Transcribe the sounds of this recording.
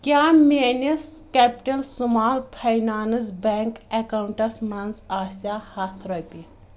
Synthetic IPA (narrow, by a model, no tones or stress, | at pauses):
kʲjaːmʲeːnɐskɛːpʈɐlsumaːlpʰɐjnaːnɨzbɛːŋkekawuɳʈɐsmɐnzaːsjaːhɐt̪ʰɾɐjpi